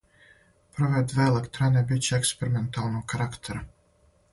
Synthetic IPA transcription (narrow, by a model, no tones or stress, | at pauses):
pɾɔvɛd̪velˠekt̪ɾanʲɛbʲit͡ʃɛkspʲeɾiment̪aːlˠnuːkaɾakt̪ʰeɾa